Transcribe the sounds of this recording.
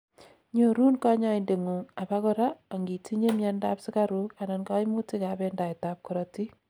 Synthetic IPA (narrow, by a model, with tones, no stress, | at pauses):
ɲo˨ɾu˦nkɔ˦ɲa˦ɪnde˨ŋu˨ŋa˨ba˦kɔ˦ɾa˦a˨ŋɡi˨ti˦ɲe˦mja˦nda˦psɪ˦ka˦ɾu˦ka˨nɔ˨nka˦ɪmu˦ti˦ka˨bɛ˦nda˨ɪtap̚kɔɾɔti˦